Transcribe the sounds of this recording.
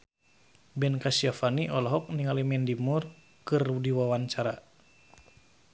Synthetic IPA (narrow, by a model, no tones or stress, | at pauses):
bɛnkasiafaniʔɔlɔɦɔk̚niŋalimɛndimur | kɨrdiwawaɲt͡ʃaɾa